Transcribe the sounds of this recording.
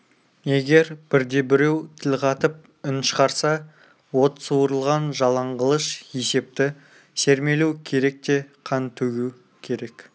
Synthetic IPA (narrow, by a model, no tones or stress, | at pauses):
je̞ɡʲe̞ɾb̥ɪɾd̪e̞bɪɾe̞wt̪ʰɪlqʰɑt̪əp̚ | ʏnʃə̥qɑɾsɑ | wo̞t̪suwɾəlˠʁɑnʒɑlˠɑɴʁəlˠəʃje̞se̞p̚t̪ɪ | se̞ɾme̞luwkʲʰe̞ɾe̞k̚t̪e̞qʰɑnt̪ʰɵɡʲu | kʲʰe̞ɾe̞k